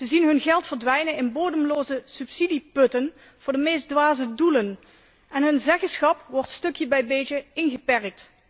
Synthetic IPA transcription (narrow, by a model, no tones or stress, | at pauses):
z̥əzinɦɵnɣɛlˠtfəɹdʋɛjnənɪnboːdəmloːzəsypsidipɵtən | v̥ʊːɹdəmejzdʋaːzədulən | ɛnɦɵnzɛxəsχɑpʋɔɹtstɵkjəbɛjbeːd͡ʒəɪnɣəpɛrk̚t